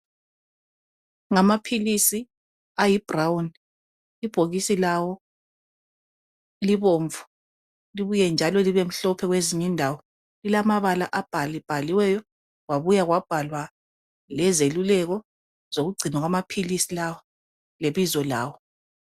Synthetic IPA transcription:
ŋamapʰilisi | ajib̥rawun | ib̥ʱoɣisilawɔ | liβoːɱvu | liβujɛnd͡ʒʱalɔliβem̩ɬɔpʰɛɣweziɲindʱawɔ | lilamaβalaʔab̥ʱalib̥ʱaliwɛjɔ | ɣwaβujaɣwab̥ʱalwa | lɛzelulɛɣɔ | z̥oɣuɡ͡ǀʱinaɣwamapʰilisilawɔ | leβizɔla̰ːwɔ

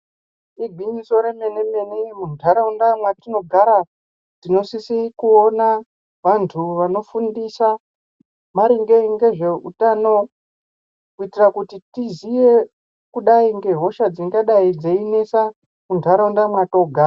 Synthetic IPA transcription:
iɡʱinzo̞ɾemenemenemuntʰaɾaundamwatino̞ɡʱaɾa | tino̞sisikuona | ʋantʰuʋano̞fundisa | maɾiŋɡe̞ŋɡe̞ʐe̞ṵtano̞ | kuitirakutitizije | kuɗaiŋɡe̞ɦo̞ʃad͡ziŋɡaɗaid͡zeine̞sa | muntʰaɾaundamwato̞ɡʱaːra

